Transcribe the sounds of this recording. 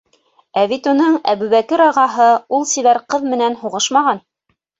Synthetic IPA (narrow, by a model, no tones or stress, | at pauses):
æβit̪unɤɴæβʉβækɘɾɑʁɑɦɤulˠsiβæɾqɤðmɘ̆nænhuʁɤʃmɑʁɑn